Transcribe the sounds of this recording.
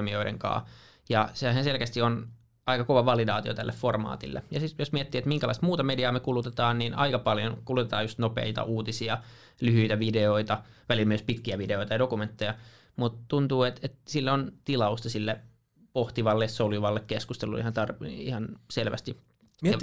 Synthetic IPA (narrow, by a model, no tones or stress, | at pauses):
mioidḛŋkɑ̰ː | jɑsehænselkæst̪ion | ɑikɑkoʋɑʋɑlidɑːt̪io̰t̪ælːefformɑ̰ːt̪ḭlːḛjɑsit̪josmiet̪ːiːet̪miŋkælɑ̰ist̪muːt̪ɑmediɑːmekulut̪et̪ɑːnniːnɑ̰ikɑpɑljonkulut̪et̪ɑːjust̪nopḛit̪ɑ̰ʔuːt̪isiɑ | lyhyit̪æʋideoit̪ɑʋælilmyøspit̪kiæʋideoit̪ɑjɑdokument̪ːejɑ | mut̪t̪unt̪uːet̪et̪silːont̪ilɑust̪ɑsilːe | poht̪iʋɑlːessoljuʋɑlːekkeskust̪elːṵḭhɑnt̪ɑrihɑnselʋæ̰st̪i